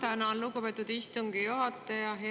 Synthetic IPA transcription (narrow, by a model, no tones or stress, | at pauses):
t̪ænɑlukupet̪ːˑud̪ist̪uŋɡijuɦɑt̪ːˑejɑɦe